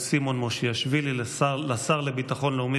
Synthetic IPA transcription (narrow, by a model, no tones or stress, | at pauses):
simo̞nmoʃiaʃvilillasaʁlebit̪aχo̞nleumi